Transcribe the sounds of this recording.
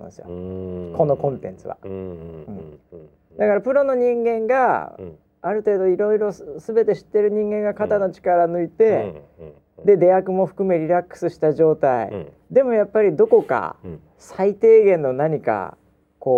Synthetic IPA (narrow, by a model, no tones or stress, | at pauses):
sɨjo̰ko̞no̞kõ̞nt̪ẽ̞nt͡sɨβa̰ɯ̟̃ɴ | d̪akaɾapɯ̟ɾo̞no̞ɲ̟ĩŋɡẽ̞ŋɡaː | ɾɯ̟t̪e̞ːd̪o̞iɾo̞iɾo̞sɨbe̞t̪e̞ɕi̥t̪ːe̞ɾɯ̟ɲ̟ĩŋɡẽ̞ŋɡakat̪ano̞t͡ɕi̥kaɾanɯ̟it̪e̞ | d̪e̞d̪e̞akɯ̟mo̞ɸɯ̟̥kɯ̟me̞ɾʲiɾakːɯ̥sɨɕi̥t̪aʑo̞ːt̪aḭ | d̪e̞mo̞japːaɾʲid̪o̞ko̞ka̰ | sait̪e̞ːɡẽ̞nːo̞naɲ̟ika̰ | ko̞ː